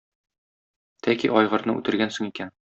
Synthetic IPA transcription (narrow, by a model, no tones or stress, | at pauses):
t̪ʰækiʔɒjʁɤ̆ɾnɤʉ̰t̪ɘ̆ɾɡænsoŋikæn